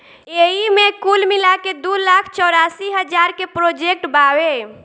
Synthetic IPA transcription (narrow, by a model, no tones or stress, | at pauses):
eɦimekulmilaked̪ulakʰt͡ʃɔɾasiɦəd͡ʒaɾkepɾod͡ʒek̚ʈbawe